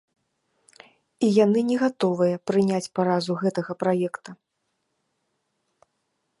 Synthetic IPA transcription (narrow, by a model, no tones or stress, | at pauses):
ijanɨnʲɛɣat̪ɔvɨjɐpɾɨnʲat͡sʲpaɾazuɣɛt̪ɐɣɐpɾajɛkt̪ɐ